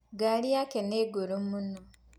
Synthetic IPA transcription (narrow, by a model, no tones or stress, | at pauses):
ɡalijakeneɡoɾumuno